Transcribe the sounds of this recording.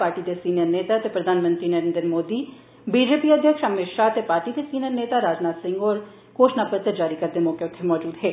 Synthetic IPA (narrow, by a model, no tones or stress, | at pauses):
paːɾʈid̪esiːnijəɾneːt̪at̪epɾəd̪ʱaːnmə̃nt̪ɾiːnəɾẽːnd̪ɾmoːd̪iː | biːd͡ʒeːpiːəd̪ʱjəkʃəmɪkʃaət̪epaːɾʈiːd̪eːsiːnijəɾneːt̪aɾaːd͡ʒnaːt̪sɪ̃ŋɡɔːɾ | koːʃnaːpət̪əɾd͡ʒaːɾikəɾd̪eːmɔːkeʊt̪ʰːemɔːd͡ʒuːd̪ɦeː